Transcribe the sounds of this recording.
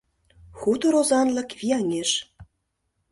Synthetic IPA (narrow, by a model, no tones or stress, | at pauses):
xut̪oɾozɑnlɤ̆kvʲiɑŋeʃ